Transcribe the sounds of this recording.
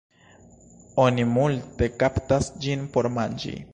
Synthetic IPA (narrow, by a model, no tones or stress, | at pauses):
o̞nimulte̞kaptasd͡ʒinpo̞ɾmand͡ʒḭ